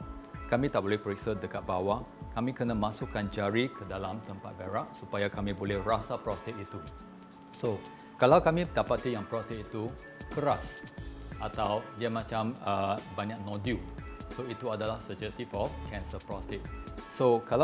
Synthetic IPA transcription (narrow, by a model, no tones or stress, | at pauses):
kamĩt̪aʔ̚bolɛhpəɹik̚sadəkat̪̚bawakamikənamasukːand͡ʒaɹikʰədalãmt̪ə̃mpa̰t̪̚baɹaʔsupajakamibolɛhɹasapɹɔst̪ɛt̚it̪u | so | kalawkamidapat̪ːijãŋpɹɔst̪ɪt̚it̪u | kəɾasʔat̪awdiəmãt͡ʃãməbaɲak̚nɔdusoit̪uadalahsəd͡ʒɛst̪ifɔfkʰɛ̃nsəpɹɔstit̚sokala